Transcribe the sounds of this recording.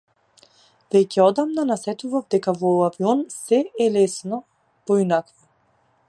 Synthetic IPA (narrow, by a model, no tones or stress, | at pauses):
vɛcɛɔd̪amnanasɛt̪uvavd̪ɛkavɔaviɔnsɛʔɛlɛsnɔ | pɔinakva